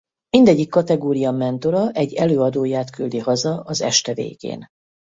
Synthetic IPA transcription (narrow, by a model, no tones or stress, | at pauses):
mind̪ɛɟːikːɒt̪ɛɡoːɾijɒmɛnt̪o̞ɾɒʔɛɟːɛløːɒd̪oːjaːt̪kyld̪ihɒzɒʔɒzɛ̰ʃt̪ɛvḛːɡ̥ḛːn